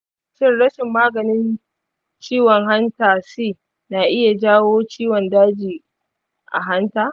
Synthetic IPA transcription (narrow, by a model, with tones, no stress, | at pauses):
ʃɪ˦nɽɐ˦ʃɪ˨mːaː˦ɡɐ˨nɪ˦n | t͡ʃiː˦wɔ˨ŋɦa˦ntaː˨siː˦˨ | na˨ʔɪ˦ja˨d͡ʒaː˦woː˦t͡ʃiː˦wɔ˨ndaː˦d͡ʒiː˨ | ʔa̰˨ɦa˦ntaː˨